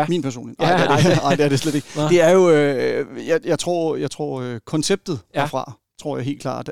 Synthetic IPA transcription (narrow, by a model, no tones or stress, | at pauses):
miːnpʰæɐso̝̰ːnḁeɐdeɑ̈ɪ̰d̥eæɐd̥e̝sled̥e̝ɡ̥əd̥e̝æɐjo̝øjajɑ̈ɪt͡sʰʁo̝̰ɐ̰jɑ̈ɪt͡sʰʁo̝̰ɐ̰økʰɒ̽nseb̥̚d̥ð̩ˠæɐfʁɑ̈ | t͡sʰʁo̝ɐ̰jɑ̈ɪe̝̰lkʰlɑ̰̈ːd̥